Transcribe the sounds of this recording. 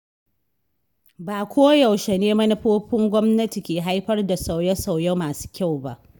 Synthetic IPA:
baː˨kʷoː˦jɐ˨wʃe˨neː˦mɐ˦nɪ˦ɸoː˦ɸɪ˦ŋɡʷɔ˦mnɐ˦ti˨kʲeː˨ɦa˦jɸɐ˦rda˨sa˨wjɐ˦sa˨wjɐ˦maː˨su̥ː˦kʲa˦˨wba̰˦ʔ

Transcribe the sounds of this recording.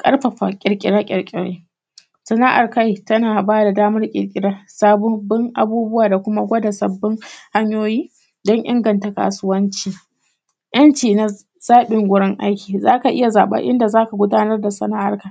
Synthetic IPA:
kʼɐ̰˦rɸɐ˨ɸa˨kʲʼɪ˨ɾkʲʼɪ̰˨ɽaː˦kʲʼɪ̰˨ɽkʲʼɪ˨ɽḛː˦ | sɐ˨na˦ʔa̰˨rka˦jtɐ˦naː˨baː˦da˨daː˦mɐ˦rkʲʼɪ̰˨ɽkʲʼɪ˨ɽaː˦saː˦bɔ˦bɪ˦ŋʔa̰˨buː˦bʊ˦waː˨da˨kʷʊ˦ma˦ɡʷɐ˦da˨sɐ˨bːɪ˦ŋha˦ɲjoː˦jiː˦ | dɔ˦ŋʔɪ̰˦ŋɡɐ˨nta˨ka̰ː˨sʊ˦wɐ˦nt͡ʃiː˨ | jɐ˦nt͡ʃiː˨na˦ | z̥aː˦ɓɪ˨ŋɡʷʊ˦ɽɪ˦ŋʔa˦jkʲiː˨zaː˦ka˨ʔɪ˦ja˨zaː˨ɓɐ̰˦ʔɪ̰˦nda˨zaː˦ka˨ɡʷʊ˦daː˦nɐ˦rda˨sɐ˨naː˦ʔa̰˨rka˦j

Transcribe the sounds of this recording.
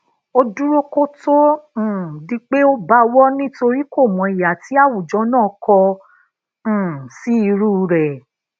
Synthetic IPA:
o˧du˦ɾo˦ko˦tõ˦˨ | di˧˦k͡pe˦o˦ba˧wɔ˦nĩ˦to˧ɾi˦ko˦˨mɔ̃˨i˨ja˨ti˨˦a˦˨wu˨d͡ʒɔ̃˨˦nãː˦˨˦kɔ˧˨ | si˦i˧ɾuː˦˧ɾɛ˨

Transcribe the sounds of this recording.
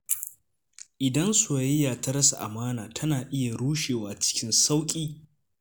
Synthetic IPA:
ʔɪ˨dɐ˦nsu˨˦ɪ˦jaː˨tɐ˦ɾɐ˦sa̰˨ʔa̰˨maː˦naː˨tʰɐ˦naː˨ʔɪ˦ja˨ɽuː˦ʃeː˨waː˨t͡ʃɪ̥˦kʲɪ˦nsa˦wkʲʼiː˦

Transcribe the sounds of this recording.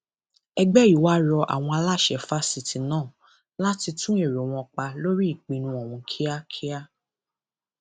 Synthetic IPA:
ɛ˧ɡ͡bɛ˦i˨wa˦ɾɔ˧ʔa̰˨w̃ɔ̃˧a˧la˦˨ʃɛ˨fa˦si˨ti˨nãː˦˨ | la˦ti˧tũ˦e˦˨ɾo˨w̃ɔ̃˧k͡pa˧lo˦ɾi˦i˦˨k͡pĩ˧nũ˧˦ɔ˨w̃ũ˧kʰi˦a˦kʰi˦a˦

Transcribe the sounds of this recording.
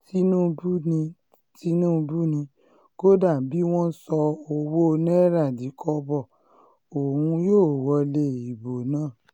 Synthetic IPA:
ti˧˦nũ˦˧bu˦nĩ˧ | ti˦nũ˦˧bu˦nĩ˧ | ɡ̥o˦da˦˨bi˨˦w̃ɔ̃˦sɔ˧o˧wo˦˧nɛ̃˦ɾa˦˨di˨˦kʰɔ˧bɔ˦˨ | o˨hũ˧joː˦˨wɔ˧le˧˨i˨bo˨nãː˦˨

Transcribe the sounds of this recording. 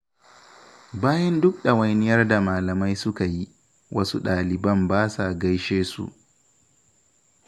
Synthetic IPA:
baː˦jɐ˦ndʊ˦k̚ɗɐ˨wɐ˨jnɪ˦jɐ˦rda˨maː˨lɐ˨ma˦jsʊ˦ka˨ji˦ | wʔɐ̰˦su˦ɗaː˨lɪ˨bɐ˦mbaː˦sa˨ɡa˦jʃeː˦sṵ˦˨ʔ

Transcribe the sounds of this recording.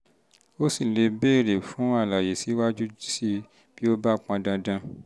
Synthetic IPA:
o˦si˦˨le˧be˦˨ɾe˨fũ˨˦a˦˨la˨je˨si˨˦wa˦d͡ʒu˦d͡ʒi˦si˦ | b̥i˦o˦ba˦˨k͡pã˧dã˧dã˧

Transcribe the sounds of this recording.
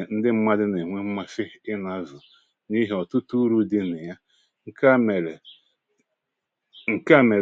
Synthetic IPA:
n̩˦dɪ˦m̩˦ma˦dɪ˦ne˨ŋʷe˦m̩˦ma˦fɪ˦ɪ˦na˦vʊ˨ | ni˦ɦe˨ɔ˨tʊ˦tu˦ɾu˦dɪ˦nɪ˨ja˦ | ŋ̩˦˨ | ŋ̩˨ka˦˨me˨

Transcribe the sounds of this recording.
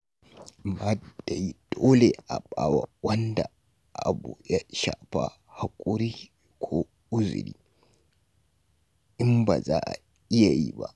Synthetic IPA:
ma˦d̥a˨ji˦d̥oː˦le˨ʔa˨ɓa˨wa˦˨wɐ˦nda˨ | ʔʔa̰˨bu˨ja˦ʃaː˨ɸa̰˦ | ha˨kʷʼʊ˦ɾiː˦ | kʷʰoː˦ | ʔʊ˦zʊ̰˨ɾḭː˦ | ʔɪ˦mba˨za̰ː˦ʔa̰˨ | ʔɪ˦ja˨jḭ˦ba̰˦ʔ

